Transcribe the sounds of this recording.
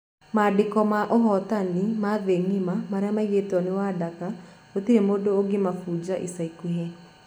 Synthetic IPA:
madɪkɔmaʔoɦɔt̪animaðeŋimamaɾɛamaiɣetɔnewadaka | ot̪iɾemodoːɡemafuːd͡ʒaʔisaikuɦe

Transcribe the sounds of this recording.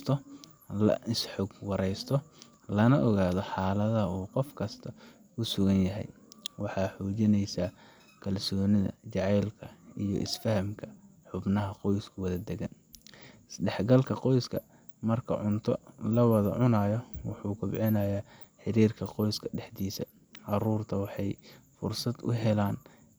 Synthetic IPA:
st̪ʰɔ | lɐ̰ʔɪsħɔɡwɑɾɛjst̪ʰɔ | lɐnɐʔɔɣaːðɔħɑːlɐðɐuːqɔfkʰɐst̪ʰɐ | ʊsʊɣɐnjɐɦɛ̰j | wɑħɑːħuːt͡ʃɪnɛjsa | kʰɐlsɔːnɪðɐ̰t͡ʃɑʕɛjlkʰɐijɔ̰ʔɪ̰sfɐhɐmkʰɐ | ħʊbnɐɦɐqɔjskʰɐwɐðɐd̪ɛɣɐn | ɪsɖɛħɡɐlkʰɐqɔjskʰɐ | mɐrkʰɐ̰ʕʊnt̪ʰɔlɐwɑðɐ̰ʕʊnaːjɔwɑħuːkʰʊbʕɪnajaː | ħɪɾiːrkʰɐqɔjskʰɐɖɛħd̪iːsɐ̰ | ʕɑruːrt̪ʰɐwɑħɑj | fʊrsɐd̪ʊ̰ɦɛlaːn

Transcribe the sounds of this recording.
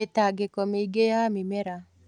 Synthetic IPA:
etaɡekɔmeɡejamimeɾa

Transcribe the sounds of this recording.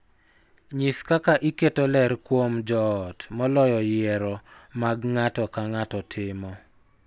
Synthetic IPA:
ɲiskakaʔiketolɛɾkwomd͡ʒɔːtmɔlɔjɔjɛɾɔmaɡŋatɔkaŋatɔtʰɪmɔ

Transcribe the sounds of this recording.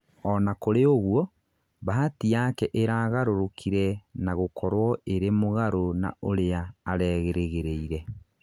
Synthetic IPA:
ɔnakoɾeoɣwɔ | βaɦatijakɛʔeɾaɣaɾoɾokʰiɾɛnaɣokʰɔɾwɔeɾemoɣaɾona̰oɾeaːɾɛɣeɾeɣeɾeiɾɛ

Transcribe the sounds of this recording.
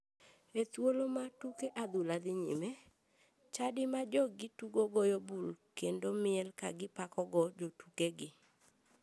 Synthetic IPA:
et̪wolomatukeʔad̪ulad̪ɪɲḭme | t͡ʃadɪmad͡ʒɔɡɪtuɡoɡɔjobulkendomɪɛlka̰ɡɪpakɔɡɔd͡ʒotukeɡɪ

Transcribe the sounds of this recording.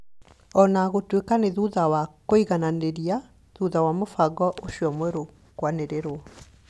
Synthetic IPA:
ɔnaɣotwekaneðuðawakoiɣananeɾia | ðuðawamofaɡɔʔoɕiɔmwɛɾo | kwaneɾeɾoɔ

